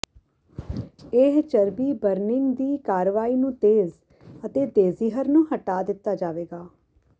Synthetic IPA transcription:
eɦt͡ʃəɾbiːbəɾnɪŋɡd̪iːkaːɾʋaːiːnũːt̪eːz | ət̪eːd̪eːziːɦəɾnũːɦəʈaːd̪ɪt̪ːaːd͡ʒaːʋeːɡaː

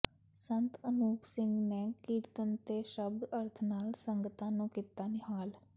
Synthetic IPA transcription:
sənt̪ənuːpsɪ̃ŋɡneːkiːɾt̪ənt̪eːʃəb̚d̪əɾt̪ʰnaːlsəŋɡət̪ãːnũːkit̪aːnɪɦaːl

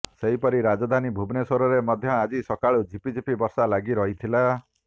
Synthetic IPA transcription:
seɦipɔɾiɾad͡ʒɔd̪ʱanibʱubnesɔɾɔɾemɔd̪ʱjɔad͡ʒisɔkaɭud͡ʒipid͡ʒipibɔɾsalaɡiɾɔɦit̪ʰila

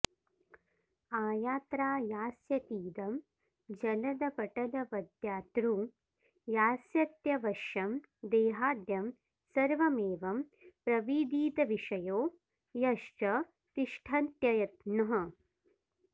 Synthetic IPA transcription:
aːjaːt̪ɾaːjaːsjɐt̪iːd̪ɐm | d͡ʒɐlɐd̪ɐpɐʈɐlɐʋɐd̪jaːt̪ɾu | jaːsjɐt̪jɐʋɐʃjɐm | d̪eːɦaːd̪jɐm | sɐɾʋɐmeːʋɐmpɾɐʋiːd̪iːt̪ɐʋiʂɐjoː | jɐʃt͡ʃɐ | t̪iʂʈʰɐnt̪jɐjɐt̪nɐɦɐ

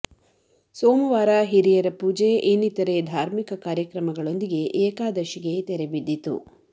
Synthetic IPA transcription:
soːmɐʋaːɾaɦiɾijɐɾɐpuːd͡ʒeʔenːit̪ːɐɾed̪ʱaːɾmikɐkaːɾjɐkɾɐmɐɡɐɭo̞nd̪iɡe̞ʔeːkaːd̪ɐʃiɡe̞t̪ɛɾebid̪ːit̪ṵ

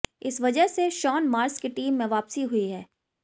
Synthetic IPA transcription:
ɪsʋɐd͡ʒəɦseʃɔːnmaːɾskiʈiːmːẽʋaːpsiɦʊiɦɛː

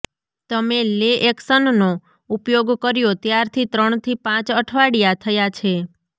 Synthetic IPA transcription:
t̪əmeleʔeksənno | upjoɡkəɾjot̪jaɾt̪ʰit̪ɾəɳt̪ʰipãt͡ʃəʈʰʋaɽijat̪ʰəjat͡ʃʰe

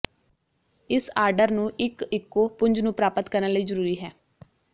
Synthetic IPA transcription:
ɪsaːɾɖəɾnũːʔɪkɪkːoːpʊɲd͡ʒnũːpɾaːpət̪kəɾnaləiːzəɾuːɾiːɦɛː

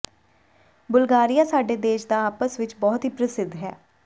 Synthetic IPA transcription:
bʊlɡaːɾijaːsaːɖeːd̪eːʃd̪aːaːpəsʋɪt͡ʃbɔːt̪ɦiːpɾəsɪd̪ɦɛ̰ː

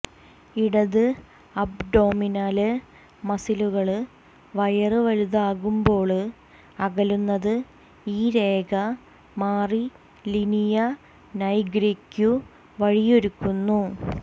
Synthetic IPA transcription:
iɽɐðɨ | ɐbɖo̞ːminaːlɨ | mɐsiluɣɐɭ | ʋɐjɐrɨʋɐluðaːɣumbo̞ːɭɨ | ɐɣɐlunːɐðɨ | iːɾe̞ːɡɐ | maːri | linijɐ | nɐjɡɾikːu | ʋɐɻijo̞ɾukːunːu

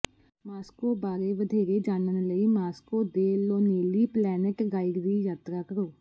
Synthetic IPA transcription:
maːskoːbaːɾeːʋəd̪ʱeːɾeːd͡ʒaːnənləiːmaːskoːd̪eːloːneːliːplɛːnɪkɡaːɪɾd̪iːjaːt̪ɾaːkəɾoː

